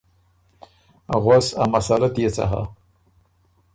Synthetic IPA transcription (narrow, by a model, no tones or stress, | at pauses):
ɣwasa̰masalat̪jet͡sa̰ɦa̰